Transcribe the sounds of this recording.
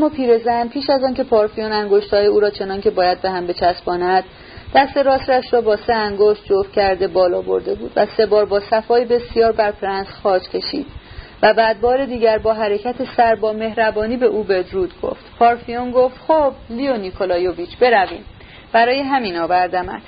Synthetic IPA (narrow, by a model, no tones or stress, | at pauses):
æmːɒːpʰiːɾe̞zænpʰiːʃæzɒːncʰe̞pʰɒːɾfijonæŋɡoʃt̪hɒːjeuːɾɒːt͡ʃʰe̞nɒncʰe̞bɒːjæd̪̚be̞ɦæmbe̞t͡ʃʰæsbɒːnæd̪̚ | d̪̥æst̪e̞ɾɒːsɾæʃɾɒːbɒːse̞æŋɡoʃt̪̚d͡ʒofcʰæɾd̪e̞bɒːlɒːbo̞̰ɾd̪e̞buːd̪væse̞bɒːɾbɒːsæfɒːjebe̞sijɒːɾbæɾpʰɾænsxɒːt͡ʃcʰe̞ʃḭːd̪̥̚væbæːd̪̚bɒːɾe̞d̪iːɟæɾbɒːɦæɾe̞cʰæt̪ʰesæɾbɒːme̞hɾæbɒːniːbe̞ʔuːbe̞d̪ɾuːd̪ɡ̥o̞̰ft̪pʰɒːɾfijonɡo̞ft̪xoblionikʰo̞lɒːjoviːt͡ʃʰb̥e̞ɾævḭːm | b̥æɾɒːjeɦæmiːnɒːvæɾd̪æmæ̰nd̪̥